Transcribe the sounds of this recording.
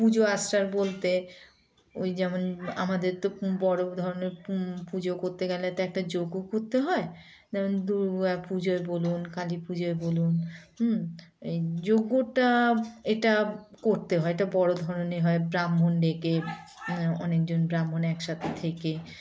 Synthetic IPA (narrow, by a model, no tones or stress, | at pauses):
pud͡ʑoasʈaɾbolt̪e | ojd͡ʑɛmona̰mad̪eɾt̪obɔɽod̪ʱɔɾoneɾpud͡ʑokoɾt̪eɡɛleɛt̪aɛk̚ʈad͡ʑoɡːokoɾt̪eɦɔe | d͡ʑɛmond̪uɾapud͡ʑoebolunkalipud͡ʑoebolun | ed͡ʑoɡːoʈaeʈa | koɾt̪eɦɔeeʈabɔɽod̪ʱɔɾoneɦɔebɾamɦonɖeke | ɔ̰nek̚d͡ʑonbɾamɦonɛkʃat̪ʰet̪ʰeke